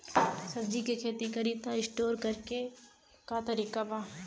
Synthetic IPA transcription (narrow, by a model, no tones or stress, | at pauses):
sɐbd͡ʒikekʰeːt̪ikɐɾiːt̪aɪsʈoːɾkɐɾke | kat̪ɐɾiːkabaː